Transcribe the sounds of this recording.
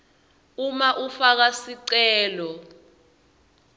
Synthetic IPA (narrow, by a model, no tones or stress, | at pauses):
umaʔufak̬asiǀɛːlɔ